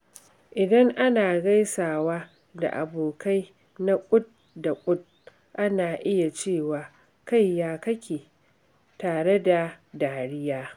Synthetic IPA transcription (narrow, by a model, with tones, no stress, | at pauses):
ʔɪ˨dɐ˦ŋʔa˦naː˨ɡa˦jsaː˨waː˦ | da̰˨ʔa̰˨boː˨ka˦j | na˦kʷʼʊ˦t̚ | da˨kʷʼʊ˦t̚ | ʔa˦naː˨ʔɪ˦ja˨t͡ʃeː˦˨waː˨ | ka˦jjaː˦kɐ˦kʲeː˨ | taː˨ɽe˦da˨daː˨ɽɪ˦jaː˦